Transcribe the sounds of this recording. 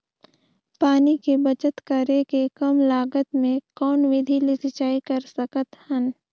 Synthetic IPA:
paːnikibɐt͡ʃət̪kəɾekekɐmlaːɡət̪mẽkɔːnʋɪd̪ʱilisɪt͡ʃaːikəɾsɐkət̪hən

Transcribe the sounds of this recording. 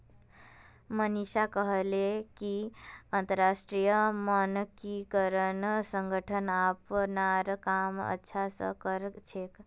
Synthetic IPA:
məniʃakəɦlekiənt̪əɾːasʈɾijəmənkikəɾənsə̃ŋɡʱəʈʰənapnaɾkamə̰tːʃʰasə̰kəɾt͡ʃʰek

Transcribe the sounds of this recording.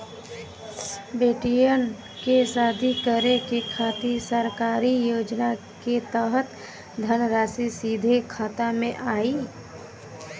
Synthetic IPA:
beːʈijən | kesaːd̪ʱikəɾekekʰaːt̪iɾsəɾkaːɾijoːd͡ʒna | ket̪əɦət̪ | d̪ʱənəɾaːsisiːd̪ʱekʰaːt̪amẽʔaːi

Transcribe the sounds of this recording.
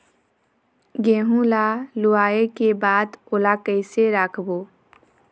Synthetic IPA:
ɡeːɦũlalʊaːekebaːd̪oːlakəɪseɾakʰboː

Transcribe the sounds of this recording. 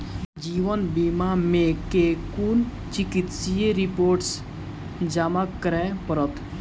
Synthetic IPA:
d͡ʒiːʋənbimamẽkekun | t͡ʃikit̪sijeɾipoːɾʈs | d͡ʒamaəɾɛ̃pəɾət̪

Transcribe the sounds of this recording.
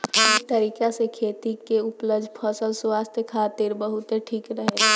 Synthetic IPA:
t̪əɾiːkasekʰeːt̪ikeʊpləbd͡ʒʱpʰəsəlswaːst̪ʰjekʰaːt̪ɪɾbəɦʊt̪eʈʰiːkɾəɦe

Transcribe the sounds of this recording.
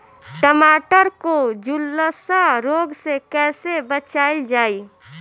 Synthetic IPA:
ʈəmaʈəɾkod͡ʒulːəsaɾoɡsekɛːsebət͡ʃaild͡ʒaːi

